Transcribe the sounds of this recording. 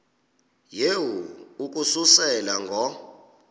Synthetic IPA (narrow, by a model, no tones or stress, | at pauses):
jewuuk̬ʼususɛlaŋɡʱɔ